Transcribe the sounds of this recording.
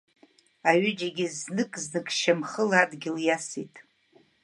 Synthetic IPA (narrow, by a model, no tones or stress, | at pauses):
aɥɪd͡ʒaɡʲiznɨkʼznɨkʼʃamχəladɡʲɪljasitʼ